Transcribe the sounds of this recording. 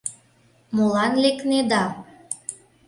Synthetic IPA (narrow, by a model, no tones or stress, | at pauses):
molɑnlekned̪ɑ